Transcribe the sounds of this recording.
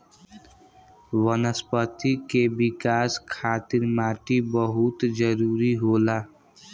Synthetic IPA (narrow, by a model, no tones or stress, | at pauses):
wənəspət̪ikebɪkaːskʰaːt̪ɪɾmaːʈibəɦʊt̪d͡ʒəɾuːɾiɦoːlaː